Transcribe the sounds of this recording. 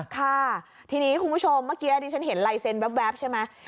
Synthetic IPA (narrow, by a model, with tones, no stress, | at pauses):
kʰa˥˩ | t̪ʰiː˧niː˦˥kʰu˧npʰu˦˥t͡ɕʰo˧mːaː˦˥kːiː˦˥ʔa˧t̪iː˧˩t͡ɕa˦˥nɦe˨˩˦nla˧jse˧nwɛ˦˥p̬̚wɛː˦˥p̚t͡ɕʰa˥˩jma˦˥j